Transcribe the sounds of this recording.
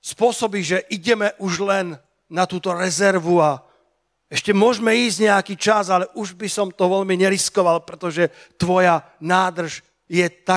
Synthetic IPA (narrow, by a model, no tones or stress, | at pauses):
spʊɔsɔbiʒɛʔiɟɛmɛʔuʒlɛnː | at̪uːt̪ɔɾɛzɛɾʋua | ɛʃcɛmʊɔʒmɛiːzɟɲɛakiːt͡ʃazalɛʔuʒbisɔmt̪ɔʋɛʎmiɲɛɾiskɔʋalpɾɛt̪ɔʒɛ | t̪ʋɔja | naːd̪r̩ʃ | jɛt̪a